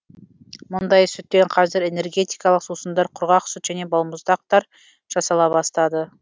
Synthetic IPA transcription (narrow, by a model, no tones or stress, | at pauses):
mʊnd̪ɑjsʏt̪ːeɴqʰɑzɪɾe̞ne̞ɾɡʲe̞t̪ijkɑlˠəqsusənd̪ɑɾqʰʊɾʁɑqsʏt̪ʒæne̞bɑlˠməzd̪ɑq̚t̪ɑɾ | ʒ̥ɑsɑlˠɑbɑst̪ɑd̪ə